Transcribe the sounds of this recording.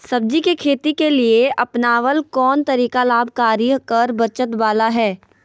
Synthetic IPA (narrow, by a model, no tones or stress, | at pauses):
sɐb̚d͡ʒikikʰeːt̪ikelieʔɐpnaːʋəlkɔːnt̪ɐɾiːkalaːbʱkaːɾikɐɾbɐt͡ʃət̪baːlaɦɛː